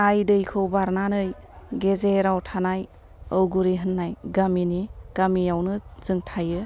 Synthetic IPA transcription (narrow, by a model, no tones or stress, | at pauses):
ajdɯjkʰɯwbaɾnanɯj | ɡezeɾawtʰanaj | ɯwɡuɾiɦɯnːajɡaminiɡ̥amiawnɯz̥ɯŋtʰajɯ